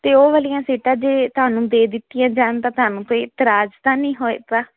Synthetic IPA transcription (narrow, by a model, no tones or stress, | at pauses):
t̪eːoːʋəlɪjãːsiːʈãːd͡ʒeːt̪ʊaːnũːd̪eːd̪ɪt̪ːɪjãːd͡ʒaːnt̪ãːt̪ʊaːnũːkoːiːɪt̪ɪɾaːd͡ʒt̪ãːnĩːɦoːeːt̪aː